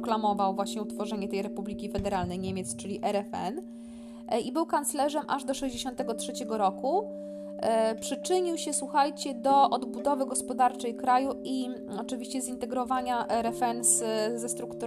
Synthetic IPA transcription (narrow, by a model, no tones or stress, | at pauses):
klamɔvawvwaɕɲɛut̪fɔʐɛɲɛt̪ɛjɾɛpublʲikʲifɛd̪ɛɾalnɛjɲemʲet̪st͡ʂɘlʲiʔɛɾɛfɛ̰n | ibɘwkant̪slɛʐɛmʔa̰ʐd̪ɔʂɛʑd͡ʑeɕɔ̃nt̪ɛɡɔtʂɛt͡ɕɛɡɔɾɔku | pʂɘt͡ʂɘɲiwɕɛswuxajt͡ɕɛd̪ɔʔɔd̪bud̪ɔvɘɡɔspɔd̪aɾt͡ʂɛjkɾajuʔi | ɔt͡ʂɘvʲiɕt͡ɕɛzint̪ɛɡɾɔvaɲaʔɛɾɛfɛnzzɛst̪ɾukt̪u